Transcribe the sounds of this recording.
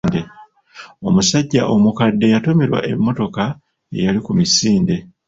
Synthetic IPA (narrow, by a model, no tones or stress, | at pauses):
nde | o̞musaɟːaʔo̞mukadːe̞jato̞meɾwa̰ʔe̞mːo̞to̞ka | e̞̰jalikumisiːnde̞